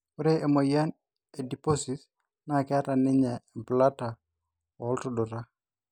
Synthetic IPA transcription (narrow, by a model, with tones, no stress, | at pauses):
ʊ˦ɾe˦e˨mo˨ja˦n | e˨di˨po˦sis | na˦kɪ˦a˦ta˨nɪ˦ɲɛ˨pla˦ta˨ | ɔ˨˦ltʊdʊ˨ɾa˦